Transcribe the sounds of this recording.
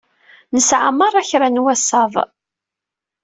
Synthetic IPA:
nəsʕaməɾˤæçɾænwæsɑvˤ

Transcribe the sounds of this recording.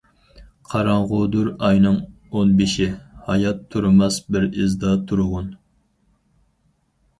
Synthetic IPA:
qʰɑɾɑɴʁʊd̪uɾɑjnɨŋ | onbɪʃihɑjɑt̪ʰːuɾmɑsbɪɾɪzd̪ɑt̪ʰuɾʊʁʊn

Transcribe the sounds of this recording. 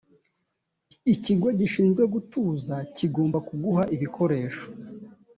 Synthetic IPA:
iciɡo̞ɟiʃiːnzɡwe̞ɡutuːzaciɡo̞ːmbakuɡuhaʔiβikʰo̞ɾe̞ːʃo̥

